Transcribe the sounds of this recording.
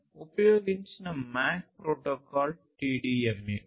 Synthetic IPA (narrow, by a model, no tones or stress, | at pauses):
opjoːɡinsnɐmaːk̚pɾoːʈːokːaːlʈiɖiemi